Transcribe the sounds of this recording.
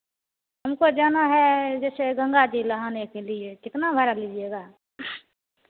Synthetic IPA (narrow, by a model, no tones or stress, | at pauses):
ɦɐmkod͡ʒaːnaɦɛd͡ʒɛːseɡə̃ŋɡad͡ʒilɐɦaːnekeliekɪt̪nabʱəɾaliːd͡ʒieːɡaː